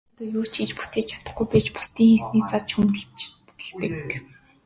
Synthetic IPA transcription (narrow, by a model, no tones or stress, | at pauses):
t̪oːjuːt͡ɕʰit͡ɕpu̥t̪eːt͡ɕʰḁt̪ə̆χɡujpæːt͡ɕpʊ̥st̪iːŋxiːsniːt͡sat͡ɕt͡ɕʰumə̆ɮt͡ɕtɮt̪ə̆k